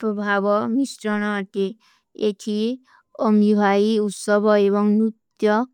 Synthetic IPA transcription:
pɾɔbʱabɔmisɾɔɽ̃ɔt̪e | etʰi | ɔmibʱaiut̪sɔbʱɔebɔŋnut̪jɔ

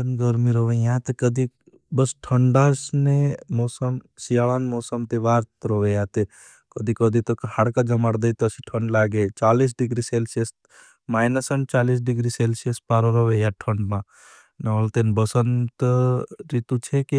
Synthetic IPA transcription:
ənɡəɾmiɾoʋejãt̪ekəd̪ʱi | bəsʈʰəɳɖasnemɔːsəmsijaɭanmoːsəmt̪eʋaːɾt̪ɾoʋejat̪e | kəd̪ʱikɔd̪ʱit̪okɐhaɽkad͡ʒɐmaɽd̪əit̪əsiʈʰəɳɖlaːɡet͡ʃaːliːs̬ɖɪɡɾiselses | maːjnəsənt͡ʃaːliːs̬ɖɪɡɾiselsiəspaːɾoɾoʋejaʈʰəɳɖmã | nɐəlt̪enbəsənt̪əɾit̪ut͡ʃʰeki

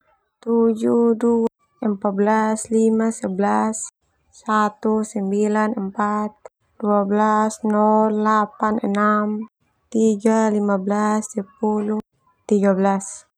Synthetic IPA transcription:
t̪ud͡ʒudua | əmpat̪̚blaslimasɛblasː | at̪usɛmbilanəmpat̪̚ | duablasnɔllapanɛ̰nam | t̪iɡalimablasɛp̚ulu | t̪iɡablas

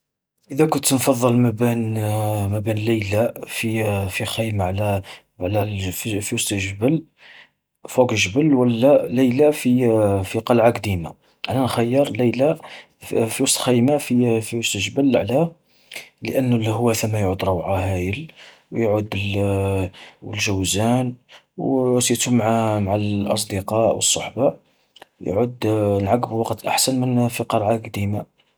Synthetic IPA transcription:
ʔəd̪ækʊnt̪nfɑðˤːəlmæbinmæbinləjlæfifixæjmaʕlæ | ʕlæfifiwʊst̪ʒəbəl | fukʒəbəlwəlːæləjlafifiqɑlʕakd̪ima̰ | ʕlænxæjːəɾˤlæjla | fiwsˤt̪xæjmafifiwɑsˤt̪ʒbəlʕlæ | lə̰ʔənːlhwæθæmːæjʕud̪ɾˤɑwʕahæjəl | wjʕud̪əl | wəlʒəwzænwsjt̪umʕamaʕalʔɑ̰s̬ˤd̪əqɑʔwəsˤːɑħbɑʔ | j̰ʕud̪nʕaɡbwɑqt̪ʔa̰ħsənmənfiqɑlʕakd̪ima

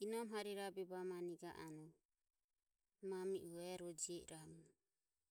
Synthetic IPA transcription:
inɔmɦaɾiɾabɛbamaniɡa̰ʔanɔ | mamiʔuɛɾɔd͡ʒiɛɾamu

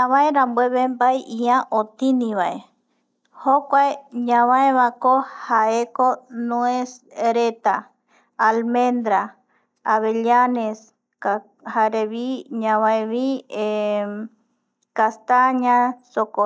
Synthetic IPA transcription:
ɲãβaeɾambweβembajʔiãʔot̪inĩβae | hokʷaeɲãβãeβakohaekonũesɾet̪aː | lmẽnd̪ɾa | aβeʎanes | ka | haɾeβiɲãβãeβie | kast̪aɲãsoko

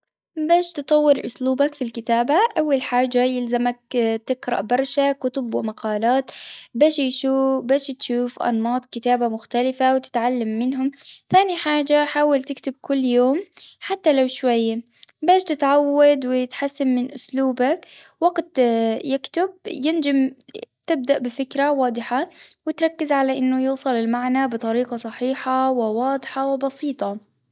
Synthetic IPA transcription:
baːʃt̪ɨt̪ˤɑwːɪɾʔʊ̰sluːbakfilkɪt̪aːbaʔawːalħaːd͡ʒajɪlzamak̚t̪ɪqɾˤɑ̰ʔbɑɾˤʃakʊt̪ʊbɪʔmaqɑːlaːt̪baːʃjʃuːbaːʃt̪ʃuːfʔɑ̰nmɑːt̪ˤkɪt̪aːbamʊxt̪alɪfawt̪ɪ̥t̪ʕalːamːɪnɦʊmθaːniħaːd͡ʒaħaːwalt̪ɪkt̪ɪb̚kʊlːjoːmħat̪ːalawʃwajː | baːʃt̪ɪt̪ʕawːad̪wɪjɪt̪ħasːamːɪnʔʊsluːbakwaɡt̪jɪkt̪ʊb̚jɪnd͡ʒamt̪ɪb̚d̪aʔbɪfɪkɾawɑːd̪ˤɨħawɪt̪ɾˤɑkːɪzʕalaʔɪnːʊjuːsˤɑlɪlmaʕnabɨt̪ˤɑɾiːqɑsˤɑħiːħawɪwɑːd̪ˤħɑwɪbɑsiːt̪ˤɑ

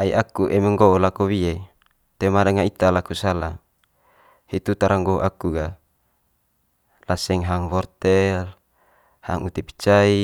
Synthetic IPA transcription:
aiʔakuʔɛmeŋɡolakowie | t̪emadaŋait̪alakusala | hit̪ut̪aɾaŋɡoʔakuɡa | lasɛŋɦaŋvɔrt̪ɛl | haŋut̪epi̥t͡ʃai

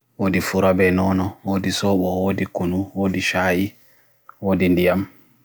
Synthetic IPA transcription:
woːdifuɾabɛnɔnɔwoːdisɔɓɔwoːdikunuwoːdiʃaːji | woːdindijam

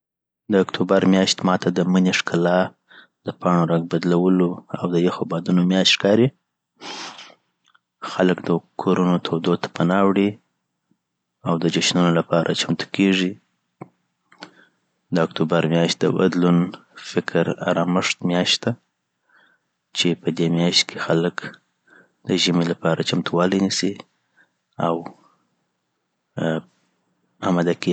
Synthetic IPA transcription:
d̪əakt̪ʰubaɾmjɑʃt̪mɑt̪ad̪əməneʂkʰalɑ | d̪̥əpɑɳoɾaɡ̚bad̪lawəloa̰wd̪əjexobɑd̪unomjɑʃt̪ʃkɑɾi | xaləkd̪əkʰoɾunot̪ʰod̪ot̪ḁpanɑwɽi | awd̪əd͡ʒaʃnunolapɑɾʔa̰t͡ʃant̪u̥keʐi | d̪əːkt̪obaɾmjɑʃt̪̚d̪ə̰ba̰d̪lunfɪkʰɾa̰ɾɑmɪʂt̪mjɑʃt̪d̪a | t͡ʃepəd̪emjɑʃt̪̚kʰexalək | d̪̥əʒəmelapɑɾat͡ʃamt̪uwɑlinisi | aw | amad̪ake

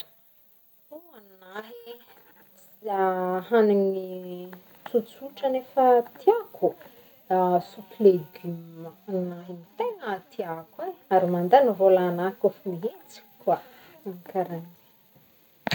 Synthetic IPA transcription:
uannaɦi | aɦanini | t͡sut͡suʈ͡ʂənefət̪ʰiakʰu | d̪asukileɡymanaɦimit̪enət̪ʰiakweaɾimand̪enivolaːnakofimiɦet͡si̥ka | aŋkaɾani

